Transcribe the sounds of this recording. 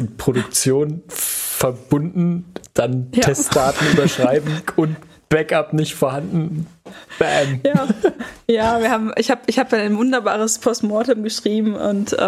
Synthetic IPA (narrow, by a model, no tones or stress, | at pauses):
pʁ̥oɾʊk̚t͡sjoːnfɛɐb̥ʊndn̩d̥anʰɛstd̥aːtn̩yːbɐʃʁ̥aɪbm̩ʊnt | b̥ɛkapnɪçtfoːɐɦandn̩b̥ɛmjaːjaːviːɐhaːbm̩ʔɪ̰çhaːbɪçhaːbəaaɪnvʊndɐbaːʁəspʰɔstmɔɐtʊmɡəʃʁ̥iːbm̩ʔʊ̰ntʔ